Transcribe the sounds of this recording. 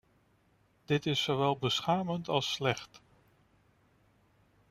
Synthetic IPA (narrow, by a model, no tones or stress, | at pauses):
d̥ɪtɪsːoʋɛlˠbəsχaːməntɑlˠslɛχt